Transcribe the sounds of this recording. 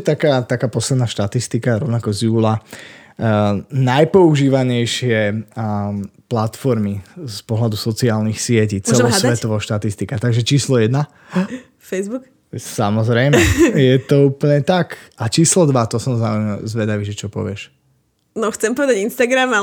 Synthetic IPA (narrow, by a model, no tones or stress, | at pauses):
t̪akaːt̪akaːpɔslɛd̪naʃt̪at̪ist̪ikaɾɔʊnakɔzjuːla | najpɔuʒiːʋaɲɛjʃɪɛ | plat̪fɔɾmispɔɦlad̪usɔt͡siaːlnixsɪɛcit͡sɛlɔsʋɛt̪ɔʋɔʃt̪at̪ist̪ikat̪aɡʒɛt͡ʃiːslɔjɛd̪na | fɛzbuk | samɔzɾɛjmɛjɛt̪ɔuːpl̩ɲɛt̪akat͡ʃiːslɔd̪ʋat̪ɔsɔmzaːujmɛzʋɛd̪aʋiːʒɛt͡ʃɔpɔ̰ʋɪɛʃ | nɔxt͡sɛmpɔʋɛd̪aɟinst̪aɡɾama